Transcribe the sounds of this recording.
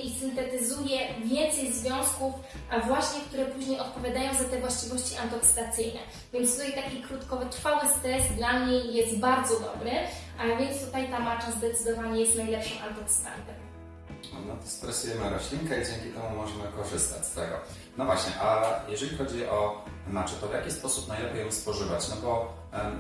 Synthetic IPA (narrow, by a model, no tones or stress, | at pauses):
ʔisɘnt̪ɛt̪ɘzujɛvʲjɛnt̪sɛjzvʲjɔ̃w̃skuf | avwaɕɲɛk̚t̪uɾɛpuʑɲejɔt̪̚pɔvʲjad̪ajɔ̃w̃zat̪ɛvwaɕt͡ɕivɔɕt͡ɕiʔa̰nt̪ɔksɘ̥t̪at̪sɘjnɛ̰ | vʲjɛnt̪st̪ujɛt̪akʲikɾut̪kɔt̪ɾfawɘst̪ɾɛzt̪d̪lamɲejːɛst̪baɾd̪zɔd̪ɔbɾɘʔavʲjɛnt̪st̪ut̪ajt̪amat͡ʂazd̪ɛt̪sɘd̪ɔvaɲɛjɛst̪najlɛpʂɔ̃w̃ʔant̪ɔkst̪ɛ̰mp̪ɛm | nɔt̪ɔ̥st̪ɾɛsujɛmɘɾɔɕlʲiŋkɛid͡ʑɛŋʲkʲit̪ɛmumɔʐɛmɘkɔʐɘst̪a̰t͡ɕʲst̪ɛɡɔ̰ | nɔvwaɕɲɛ̰ʔajɛʐɛlʲixɔd͡ʑiʔɔ | mat͡ʂɛt̪ɔvjakʲispɔsupnajlɛpʲejɔ̃wspɔʐɘvat͡ɕnɔbɔ